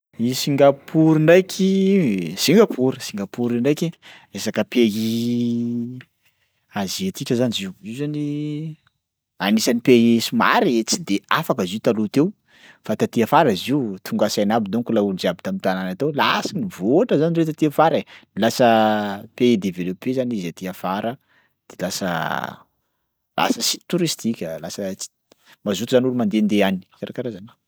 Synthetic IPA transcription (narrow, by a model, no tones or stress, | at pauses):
isiŋɡapʰuɾinɳɖ͡ʐajkʰi | siŋɡapʰuɾisiŋɡapuɾiɳɖ͡ʐajkʲi | esakəpei | azet̪ikəzaniziwiwzani | anisanipeesuma̰ɾet͡si̥d̪eafakəziut̪alut̪ew | fat̪at̪iəfaɾaziut̪ʰuŋɡasajnabid̪uŋkulaud͡ʒeabit̪amint̪ananat̪olasənivoaʈ͡ʂəzaniret̪̬at̪iafaɾeilasəpeed̪evelopezanizat̪iafaɾə | d̪̥elasə̰ | la̰səsit̪uɾist̪ikʲəlasət͡si̥ | mazut̪uzanulumand̪end̪eani̥kaɾakaɾazana